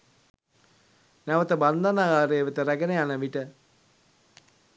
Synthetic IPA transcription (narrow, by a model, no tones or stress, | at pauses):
næʋət̪əband̪anaɡaːɾejːʋət̪əɾæɡənəjanəʋiʈə